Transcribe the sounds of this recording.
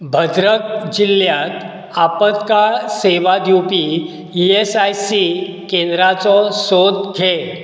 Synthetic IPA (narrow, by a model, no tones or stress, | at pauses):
bʱəd̪ɾək̚d͡ʑilːjat̪ | apət̪kaseʋad̪jupi | iesajsikẽnd̪ɾat͡sɔsod̪ɡʱe